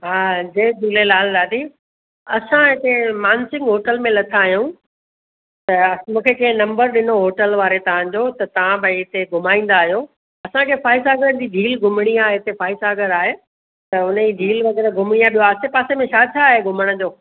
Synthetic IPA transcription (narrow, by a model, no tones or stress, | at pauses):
ɦaːd͡ʑedʱuːlelaːld̪aːd̪i | ɐsãɦɪt̪emaːnsɪ̃ŋɡɦoːʈəlmẽlɐt̪ʰaːɦjũ | t̪ɐmũːkʰekɐ̃ɦɪ̃nɐ̃mbəɾɗɪnoɦoːʈəlʋaːɾet̪ɐʋ̤ãd͡ʑoːt̪ɐt̪ɐʋ̤ãbɐiɪt̪eɡʱʊmaːĩːn̆d̪aːɦijoː | ɐsãkʰeːfaːɪsaːɡəɾəd͡ʑid͡ʑʱiːlɡʱʊmɪɽ̃iaːɦeɦɪt̪efaːɪsaːɡəɾaːɦe | t̪ɐʊnid͡ʑʱiːlʋɐɣɛːɾɡʱʊmɽ̃iaːɓijoaːsepaːsemẽt͡ɕʰaːt͡ɕʰaːɦeɡʱʊməɽ̃ʊd͡ʑoː